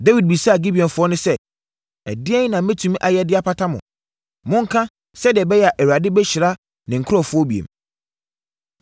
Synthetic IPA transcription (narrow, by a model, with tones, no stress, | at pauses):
de˦wi˨d̚bi˨sa˦a˨ɡi˦bi˨ɔ̃˨nfʊ˦ɔ˦nʊ̃˦sɛ˦ | ɛ̰˨dɪ˦ɛ̃˦nã˨˦mɛ̃˦tʰũ˨m˦ʔa˨jɛ˦dɪ˦a˦pʰa˦tʰa˦mʊ̰̃˨ | mʊ̃˦ŋ̩˦kʰã˦ | sɛ˦dɪ˨ɛ˨bɛ˦jɛ˨a˨ʔæ˨wa˨dɪ˦bɛ˦ɕɪ˨ɾa˦ | nɪ̃˨ŋ̩˨kʰɔ˦˨fʊ˦ɔ˦bi˨ḛ˨m